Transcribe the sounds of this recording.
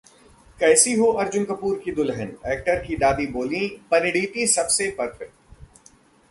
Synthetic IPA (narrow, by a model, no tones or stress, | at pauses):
kɛːsiɦoʔɐɾd͡ʒʊnkɐpuːɾkid̪ʊlɦənɛːk̚ʈəɾkid̪aːd̪iboːlĩpɐnɪɽiːt̪isɐbsepɐɾfɪk̚ʈ